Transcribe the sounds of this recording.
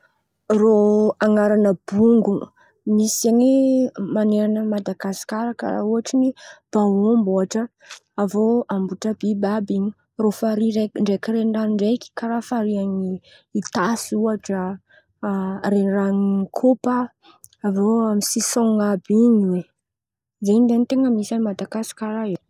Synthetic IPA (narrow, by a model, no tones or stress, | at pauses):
roaŋaɾanəb̥uŋɡu | misaŋimaneɾanəmad̪aɡasi̥kaɾakə̰ɾa̰uaʈ͡ʂinib̥awomboaʈ͡ʂə | avoambuʈ͡ʂabibabiɲi̥ | rofaɾireɳɖ͡ʐekiɾenranɳɖ͡ʐejkʲi̥kaɾafaɾiaŋiː | t̪asuaʈ͡ʂə | renraŋikʰopə | avoamisisoŋabiɲiwe | zend̪enit̪eŋəmisanimad̪aɡasi̥kaɾae